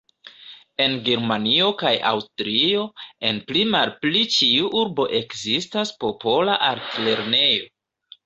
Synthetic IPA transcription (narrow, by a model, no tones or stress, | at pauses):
e̞nɡeɾmanio̞kajʔa̰wstɾio̞e̞nplimalplit͡ʃiuʔuɾbo̞ʔe̞kzistaspo̞po̞laʔaɾtle̞ɾne̞jo̞